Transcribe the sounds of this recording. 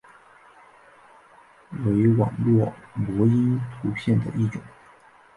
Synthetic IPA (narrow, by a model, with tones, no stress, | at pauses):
we˧˥˧wɑ̰˨˩ŋlwɔ˥˩mwɔ˧˥i˥nt̪ʰu˧˥ɕjɛ˥˩nd̪ə̰˩ʔi˥˩ʈ͡ʂʊ˨˩˦